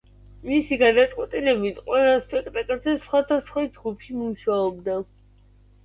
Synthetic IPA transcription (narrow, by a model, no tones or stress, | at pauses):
misiɡad̪at̪sʼqʼwɛt̪ʼilɛbit̪ʰqʼwɛlˠaspʰʼɛkʼt̪ʼɛk̪ʼɛd̪zɛsχwad̪asχwad͡ʒɡupʰimuʃaɔbd̪a